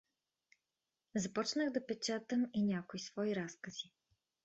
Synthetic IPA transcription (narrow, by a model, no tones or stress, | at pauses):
zɐpɔt͡ʃnəɣd̪ɐpɛt͡ʃat̪əminʲakoisv̥ɔiɾaskɐzi